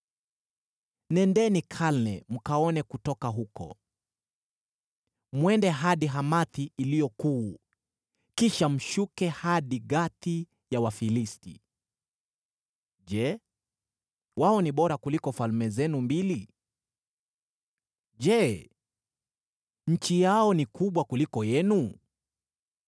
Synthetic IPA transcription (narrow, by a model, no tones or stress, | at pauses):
nɛndɛnikʰalnɛm̩kaɔnɛkutɔkaɦukɔ̰ | mwɛndɛɦaɗiɦamaθiːlijɔkuː | kiʃam̩ʃukɛhaɗiɠaθi | jawafilistḭ | ʄɛ | waɔniɓɔɾakulikɔfalmɛzɛnumbili | ʄɛ | ɲ̩t͡ʃijaɔnikuɓwakulikɔjɛnu